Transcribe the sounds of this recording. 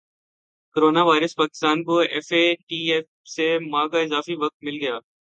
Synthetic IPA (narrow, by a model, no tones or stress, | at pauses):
koɾoːnaʋaːɪɾəspaːkɪ̥st̪aːnkoɛːfeʈiːɛf | semãːkaɪzaːfiʋɐk̚t̪̚mɪlɡɐjaː